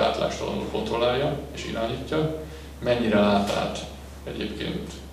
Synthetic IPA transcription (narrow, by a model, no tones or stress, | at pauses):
a̰ːt̪la̰ːʃt̪ɒ̰ɒ̰no̰ːfot̪olaːjɒeːʃḭɾaːɲicːɒ | mɛɲːiɾɛlaːt̪a̰ːt̪ | ɛɟḛːpkḛːnt̪